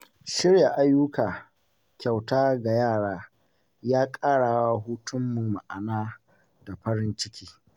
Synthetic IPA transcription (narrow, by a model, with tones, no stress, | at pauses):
ʃɪ˦ɾja˨ʔa˦jʊ˦kaː˨ | kʲa˨wtaː˦ɡa˨jaː˦˨ɽaː˦ | jaː˦kʼaː˦ɽaː˨wa˦ɦuː˦tʊ˦mːu˨ma˨ʔa˨naː˦ | da˨ɸɐ˦ɾɪ˦nt͡ʃɪ˦kʲi̥ː˦